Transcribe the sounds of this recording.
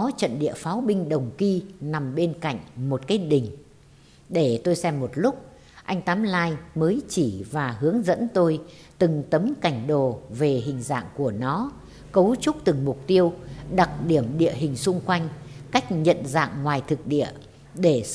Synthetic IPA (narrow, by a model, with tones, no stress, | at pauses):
ɔ˨˦t͡ɕə̰˧˨nɗḭ˧˨əfaː˨˦wɓï˧ŋ̟ɗə˨˩wŋ͡mki˧na˨˩mɓe˧nka̰˧˨jŋ̟mo˨˩t̚kaː˨˦jɗï˨˩ŋ̟ | ɗe˧˩t̪o˧jsɛ˧mːo˨˩t̚lʊ˦˥k͡p̚ | ʔa˧jŋ̟t̪aː˨˦mlaː˧jməː˨˦jt͡ɕi˧˩vaː˨˩hɨ˨˦əŋzə̰˧˥nt̪o˧jt̪ɨ˨˩ŋt̪ə˨˦mka˧˩jŋ̟ɗo˨˩ve˨˩ɦï˨˩ŋ̟za̰ː˧˨ŋku˧˩ənɔ˨˦ | kə˨˦wt͡ɕʊ˦˥k͡p̚t̪ɨ˨˩ŋmʊ˨˩k͡p̚t̪i˧əwɗa˨˩t̚ɗi˧˩əmɗḭ˧˨əɦï˨˩ŋ̟sʊ˧ŋ͡mkwa˧jŋ̟ka˦˥jk̟̚ɲə̰˧˨nza̰ː˧˨ŋŋwaː˨˩jt̪ʰɨ˨˩k̚ɗḭ˧˨ə | ɗe˧˩